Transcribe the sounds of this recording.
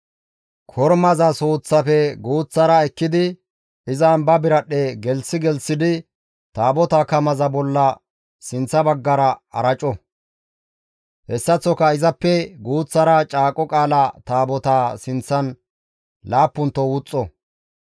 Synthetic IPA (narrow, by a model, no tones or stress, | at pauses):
kʰɔɾmɐzɐsoːt͡sːɐfɛɡuːt͡sːɐɾɐɛkːɪd̪ɪ | ɪzɐːmbɐbɪɾɐɗɛɡɛlsɪɡɛlsɪd̪ɪ | t̪aːbɔt̪akɐmɐzɐbɔlːɐ | sɪnt͡sːɐbɐɡːɐɾɐɐ̰ɾɐt͡ʃʼɔ | hɛsːɐt͡sːɔkɐɪzɐpːɛɡuːt͡sːɐɾɐt͡ʃʼaːkʼɔkʼaːlɐt̪aːbɔt̪aːsɪnt͡sːɐn | laːpːʊnt̪ːɔwʊt͡sʼːɔ